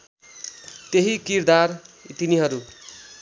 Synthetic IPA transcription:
t̪eɦikiɾd̪art̪iniɦʌɾu

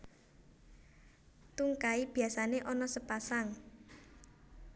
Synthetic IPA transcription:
t̪uŋkaib̥i̤asaneʔɔnɔsəpasaŋ

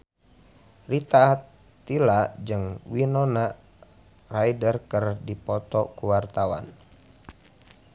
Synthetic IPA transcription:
rit̪aːt̪ː | ilad͡ʒɨŋwinɔna | rajdərkərdipɔt̪ɔkuwart̪awa̰n

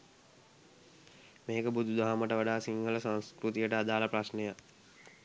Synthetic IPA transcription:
meːkəbud̪ʱud̪ʱaɦaməʈəʋaɖaːsiŋɦələsaŋskɾut̪ijəʈəad̪aːləpɾasneja

